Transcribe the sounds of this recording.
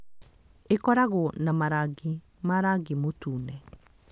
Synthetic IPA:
ekɔɾaɣonamaɾaɡi | maɾaɡimotuːnɛ

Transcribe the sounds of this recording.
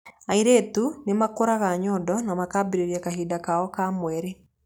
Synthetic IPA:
aiɾeːtunemakoɾaɣaɲɔːdɔnamakaːbiɾeɾjakaɦiːdakaɔkamwɛɾe

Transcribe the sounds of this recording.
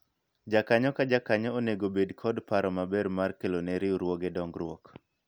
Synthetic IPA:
d͡ʒakaɲɔkad͡ʒakaɲɔoneɡobedkʰɔdpaɾɔmabɛɾmarkelonɛɾɪuɾwɔɡedɔŋɡɾwɔk

